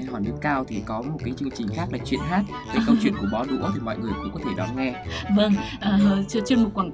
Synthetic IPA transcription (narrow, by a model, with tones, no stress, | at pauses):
ɦɔ˧˩jnɨ˦˥əkːaː˧wt̪ʰi˨˩kɔ˨˦mo˨˩t̚kaː˨˦jt͡ɕɨ˧əŋt͡ɕï˨˩ŋ̟xaː˦˥k̚laː˨˩t͡ɕwḭ˧˨ənɦaː˦˥t̚ | ve˨˩kə˧wt͡ɕwḭ˧˨ənku˧˩ɓɔ˨˦ɗṵ˧˥ə˦t̪ʰi˨˩mɔ̰˧˨jŋɨ˨˩əjkʊ̰˧˥ŋ͡mkɔ˨˦t̪ʰe˧˩ɗɔ˨˦nŋɛ˧və˧ŋʔəː˨˩˨t͡ɕt͡ɕe˧nmo˨˩t̚kwaː˧˩n